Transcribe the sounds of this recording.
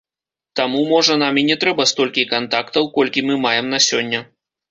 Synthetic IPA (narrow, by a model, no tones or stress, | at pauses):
t̪amumɔʐɐnamʲinʲɛt̪ɾɛbɐst̪ɔlʲkʲikant̪akt̪ɐwkɔlʲkʲimɨmajɛmnɐsʲɔnʲːɐ